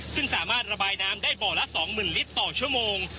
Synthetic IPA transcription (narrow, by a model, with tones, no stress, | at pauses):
sɯ˥˩ŋsaː˩˦maː˥˩t̪̚ɾa˧baː˧jnaː˦˥mdaː˥˩jbɔː˨˩la˦˥ʔsɔː˩˦ŋmɯː˨˩nli˦˥t̪ːɔː˨˩t͡ɕʰu˥˩əmoː˧ŋ